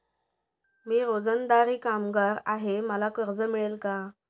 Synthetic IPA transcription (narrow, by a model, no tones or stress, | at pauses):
miːɾod͡zənd̪aɾiːkamɡaɾaɦeməlakəɾd͡zəmiɭelka